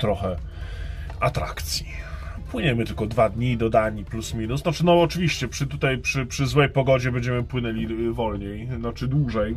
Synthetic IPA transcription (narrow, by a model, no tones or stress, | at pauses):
t̪ɾɔxɛ | at̪ɾa̰kt̪sʲji | pwɘɲɛmɘt̪ɘlkɔd̪vad̪ɲid̪ɔd̪aɲiplusmʲinusnɔt͡ʂɘnɔɔt͡ʂɘvʲiɕt͡ɕɛpʂɘt̪ut̪ajpʂɘpʂɘzwɛjpɔɡɔd͡ʑɛbɛɲʲd͡ʑɛmɘpwɘnɛlʲivɔlɲejnɔt͡ʂɘd̪wuʐɛj